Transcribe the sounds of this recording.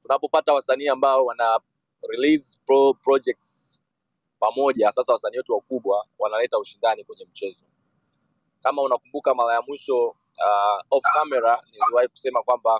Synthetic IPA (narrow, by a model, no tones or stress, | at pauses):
tunapɔpatawasaniːambaɔwana | ɾiliz | pɔpɾɔd͡ʒɛk̚ts | pamɔʄasasawasaniːwɛtuwakuɓwawanalɛtauʃindanikwɛɲɛm̩t͡ʃɛzɔ | kamaunakumbukamaɾajamwiʃɔ | aɔfkamɛɾaniliwahiku̥sɛmakwamba